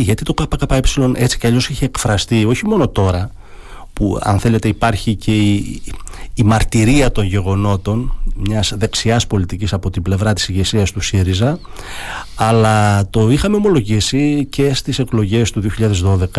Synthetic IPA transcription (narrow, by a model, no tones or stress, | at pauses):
ʝɐt̪it̪o̞kɐpɐkɐpɐepsilo̞nʔe̞t͡si̥ceɐʎo̞siçiːkfɾɐst̪io̞çimo̞no̞t̪o̞ɾɐ | puɐ̰nθe̞le̞t̪e̞ipɐɾçice̞iː | mɐɾt̪iɾiɐt̪o̞nʝe̞ɣo̞no̞t̪o̞nmɲɐzðe̞ksiɐspo̞lit̪icisɐpo̞t̪ible̞vɾɐt̪i̥siʝe̞siɐst̪usiɾizɐ | ɐlɐt̪o̞ixɐme̞o̞mo̞lo̞ʝisice̞st̪ise̞klo̞ʝe̞st̪uðioçiʎɐðe̞zðo̞ðe̞kɐ